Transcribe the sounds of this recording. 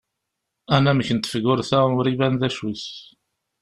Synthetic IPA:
ænæməçənt̪ːə̥fəɡʊɾθæʊɾivænðæʃwiθ

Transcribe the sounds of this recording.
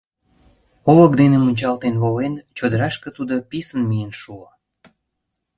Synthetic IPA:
olək̚d̪enemunʲt͡ɕɑlt̪enβolent͡ɕod̪əɾɑʃkə̆t̪ud̪opisənmijenʃuo

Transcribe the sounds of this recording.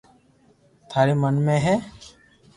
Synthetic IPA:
t̪ʰaːɾeːmənmẽːɦɛː

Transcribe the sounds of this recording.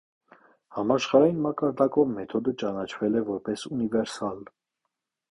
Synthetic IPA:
hɑmɑʃχɑɾɑjinmɑkɑɾd̪ɑkɔvmɛt̪ʰɔd̪ət͡ʃɑnɑt͡ʃʰvɛlɛvɔɾpɛsunivɛɾsɑl

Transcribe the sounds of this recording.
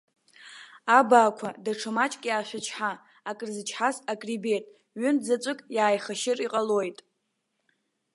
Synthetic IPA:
abaːkʷʰadaʈ͡ʂʰɨmat͡ʃʼkʲʼjaːʃʷᶣat͡ʃʰħa | akʼrzɨt͡ʃʰħasakʼribe̞tʼ | ɥʏnzat͡ʃʷʼɨkʼjaːjχaʃɪrʼiqʼalo̞jtʼ

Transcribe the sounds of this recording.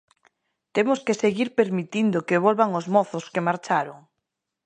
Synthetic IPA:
t̪emʊskeseɣiɾpeɾmit̪ind̪ʊkeβolβaŋʊzmɔθʊskemaɾt͡ʃaɾoŋ

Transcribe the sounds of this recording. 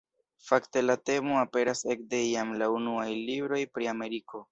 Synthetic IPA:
fakte̞late̞mo̞ape̞ɾase̞k̚de̞iamlaunuajlibɾo̞jpɾiame̞ɾiko̞

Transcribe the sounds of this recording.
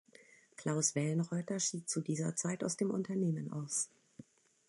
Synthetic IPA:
kʰl̥aʊsv̥ɛlənʁɔʏtɐʃiːt̚t͡sudiːzɐ̰t͡saɪtaʊsd̥eːmʔʊntɐneːmənʔa̰ʊs

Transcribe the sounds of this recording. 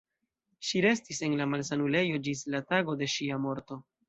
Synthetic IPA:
ʃiɾe̞stise̞nlamalsanule̞jo̞d͡ʒislataɡo̞de̞ʃiamo̞ɾto̞

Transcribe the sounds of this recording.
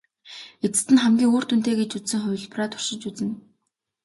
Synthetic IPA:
et͡sɘ̥̆t̪ɘ̆nχæmɡʲiːŋoːr̥t̪ʰun̥t̪eːɡet͡ɕut͡ssɘ̆ŋχʊ̟w̆ʲɮpraːt̪ʰʊ̥r̥ʃɪ̆t͡ɕut͡sɘ̆n

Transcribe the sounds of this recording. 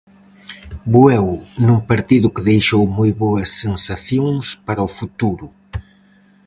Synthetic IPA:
buɛwnuŋpaɾt̪iðʊkeðejʃowmojβoɐsːensaθjoŋspaɾɐʊfut̪uɾʊ

